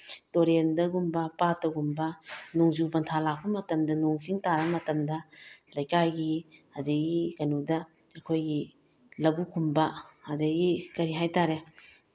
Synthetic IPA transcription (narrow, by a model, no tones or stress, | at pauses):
toɾendɐɡumbɐpatːɐɡumbɐnoŋzubɐntʰalak̚pɐmɐtɐmdɐnoŋziŋtaɾɐmɐtɐmdɐlɐjkajɡiɐdɐɡikɐnudɐ | ɐkʰojɡi | lɐbukʰumbɐɐdɐɡikɐɾiɦajtaɾe